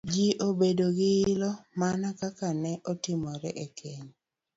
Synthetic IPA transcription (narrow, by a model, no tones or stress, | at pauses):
d͡ʒiʔobedoɡɪːlɔmanakakanɛʔɔtɪmɔɾɛʔekʰeɲ